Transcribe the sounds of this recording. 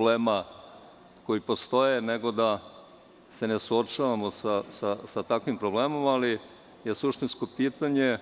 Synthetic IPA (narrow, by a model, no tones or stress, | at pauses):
bleːma | ko̞jipo̞st̪o̞jeneɡo̞d̪a | se̞ne̞suot͡ʃaʋamosasasat̪akʋimpɾo̞ble̞ːmo̞mali | je̞suʃt̪insko̞piːt̪aɲe̞